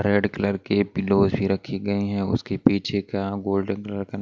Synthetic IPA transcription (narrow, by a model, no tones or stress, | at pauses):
ɾeːɖkɐləɾkepɪloːzbʱiɾɐkʰiɡɐiɦɛ̃ʊ̰skepiːt͡ʃʰekaɡoːlɖənkɐləɾkan